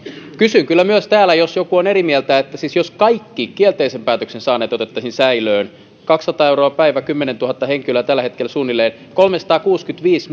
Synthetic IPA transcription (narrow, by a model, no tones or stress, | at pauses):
kysyŋkylːæmyøst̪æːlæjosjokuoneɾimielt̪æet̪ːæsisjoskɑikːikːielt̪eisempæːt̪øksensɑːnːeːt̪ot̪et̪ːɑsinsæiløːn | kɑksːɑt̪ɑːewɾroɑpæiʋækymːenent̪uɦɑt̪ːɑɦheŋkilæt̪ælːæhe̞t̪̚kelsuːnːilːeːn | ko̞lmesɑ̥t̪ɑːkuːskyt̪ʋiːs